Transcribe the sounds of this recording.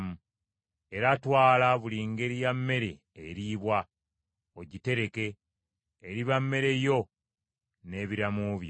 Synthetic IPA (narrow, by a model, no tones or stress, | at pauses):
mu | e̞ɾatwaːlaβuliŋɡe̞ɾijamːe̞ɾe̞ːɾiːβwa | oɟite̞ɾe̞ke̞ː | ɾiβamːe̞ɾe̞jo̞ | ne̞ːβiɾamuβjo